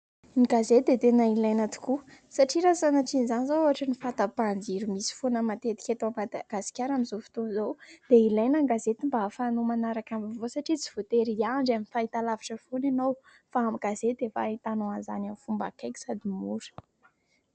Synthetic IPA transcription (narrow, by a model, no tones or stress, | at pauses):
niɡazed̪et̪enailajnat̪u̥kusaʈ͡ʂiɾazanaʈ͡ʂinizanizoaaʈ͡ʂinifat̪apand͡ʒiɾumisi̥fonəmat̪et̪i̥kʲet̪amaɡ̥azi̥kʲaɾamizofi̥t̪unzowd̪̥eilajnaŋɡazet̪imbaɦːfanumanaɾakambivosaʈ͡ʂit͡si̥v̥ot̪eɾiaɳɖ͡ʐaminfait̪alaviʈ͡ʂəfonanow | faːmiɡazed̪̥efa̰it̪anoanzanamfumbakakʲi̥sad̪imuɾə̥